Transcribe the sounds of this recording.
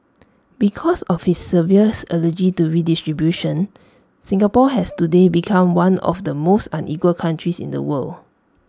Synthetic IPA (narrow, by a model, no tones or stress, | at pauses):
bikʰɔsɔfhisːəviəsənəd͡ʒituɹidistɹibjuʃə̃n | sĩŋapɔɦɛstudebikʰãmwãnɔ̰fdəmostãnʔikwəlkʰãntɹisḭ̃ndə̰wəl